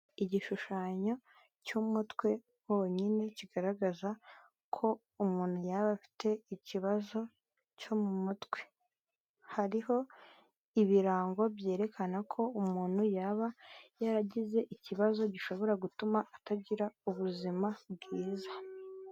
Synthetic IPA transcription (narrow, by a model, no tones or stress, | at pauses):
iɟiʃuʃaːɲa | cumutwe̞ | woɲine̞ciɡaɾaɡaza | kʰo̞ | umuːn̥hujaβafi̥te̞iciβazo̞ | co̞mumutwe̞̥ | haɾiho̞ | iβiɾaːŋɡobje̞ːɾe̞kʰanakʰo̞umuːn̥hujaβajaɾaɟize̞ʔiciβazo̞ɟiʃo̞βo̞ɾaɡutumaataɟiɾauβuzimab̚ɡiːza